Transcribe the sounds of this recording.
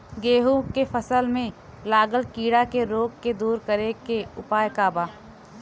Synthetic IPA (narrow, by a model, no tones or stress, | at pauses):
ɡeːɦũkefʰəsəlmẽ | laːɡəlkiːɽakeɾoːɡked̪uːɾkəɾekeʊpaːjkaːbaː